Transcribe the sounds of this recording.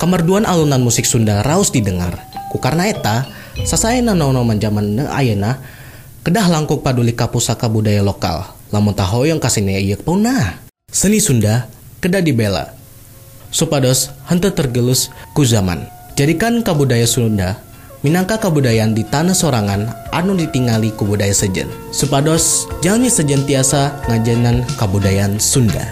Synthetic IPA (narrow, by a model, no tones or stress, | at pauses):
kamarduanʔalunanmusɪk̚sundaraʊsdidəŋa̰rkukarnaet̪a | sasajənahnonomand͡ʒamanə̰a̰jəna | kədaɦlaŋkʊŋ̚padulikapusakabudajaloka̰l | lamʊnt̪aɦojəŋkasinaaijək̚pəunah | sənisundakədaʔdibela̰ | supadɔshənt̪ət̪ərɡəlʊskuzama̰n | d͡ʒadikankəbudajasunda | minaŋkakəbudajandit̪anasoɾaŋanʔanudit̪iŋalikubudajasəd͡ʒə̰n | supadɔsd͡ʒalɲasəd͡ʒənt̪iasaŋad͡ʒaŋankəbudajansunda̰